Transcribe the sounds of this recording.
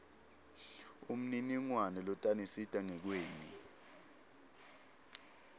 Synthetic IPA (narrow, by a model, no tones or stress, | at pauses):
um̩niniŋwanɛlɔtʼanisitʼaŋɛk̬weːni